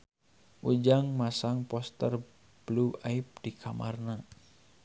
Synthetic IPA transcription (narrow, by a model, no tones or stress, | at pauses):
ʔud͡ʒaŋmasaŋpɔst̪ər | b̥luaip̚dikʰamʔarna